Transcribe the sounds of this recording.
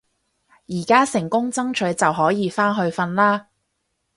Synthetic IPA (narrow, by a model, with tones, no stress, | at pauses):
jiː˨˩kaː˥sɪ˨˩ŋkʊ˥ŋt͡sɐ˥ŋt͡ʃʰɵ˨˥ɥt͡sɐ˨wɦɔː˨˥jiː˨˧faː˥nɦɵ˧ɥfɐ˧nlaː˥